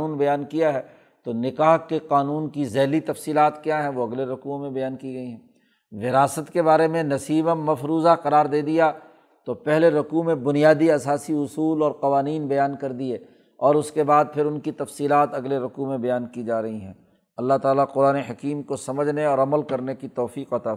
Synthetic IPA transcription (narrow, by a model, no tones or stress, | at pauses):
uːnbɐjaːnkijaɦɛː | t̪onɪkaːɦkeqaːnuːnkizɛːlit̪ɐfsiːlaːt̪kjaɦɛ̃ʋoɐɡleɾʊkumẽbɐjaːnkiɡɐiɦɛ̃ː | ʋɪɾaːsət̪kebaːɾemẽnɐsiːbəmːɐfɾuːzaqɐɾaːɾd̪eːd̪ija | t̪opɛɦleɾʊkumẽbʊnijaːd̪iɐsaːsiʊsuːlɔːɾqɐʋaːniːnbɐjaːnkɐɾd̪ieː | ɔːɾʊskebaːd̪̚pʰɪɾʊnkit̪ɐfsiːlaːt̪ɐɡleɾʊkumẽbɐjaːnkid͡ʒaːɾɐɦiɦɛ̃ː | ɐlːaɦt̪aːlaqʊɾaːneɦɐkiːmkosɐməd͡ʒʱneɔːɾɐməlkɐɾnekit̪ɔːfiːqɐt̪aː